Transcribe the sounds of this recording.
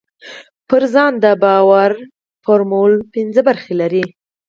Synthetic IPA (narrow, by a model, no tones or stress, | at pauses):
pəɾzɑnd̪əbɑwaɾ | foɾmulpɪnzəbaɾxelaɾi